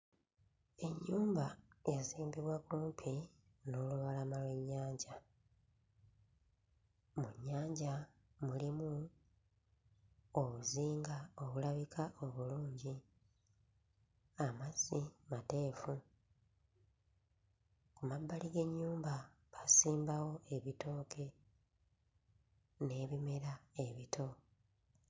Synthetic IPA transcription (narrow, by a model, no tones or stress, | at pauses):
e̞ɲːuːmbajaziːmbiβwakuːmpʰi | no̞luβalamalwe̞ɲːaːɲɟa | muɲːaːɲɟa | mulimu | oβuziːŋɡao̞βulaβikʰaʔo̞βuluːɲɟi | amaz̥imate̞ːfu | kumabːaliɡe̞ɲːuːmba | βasiːmbawo̞e̞βito̞ːkʰe̞ | ne̞ːβime̞ɾae̞βitʰo̞